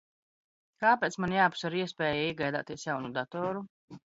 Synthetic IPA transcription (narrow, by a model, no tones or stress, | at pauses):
kaːpɛːt̪smanjaːpsaɾiɛspʲɛːjaiɛɡajd̪a̰ːt̪iɛsjawnud̪at̪ɔːɾu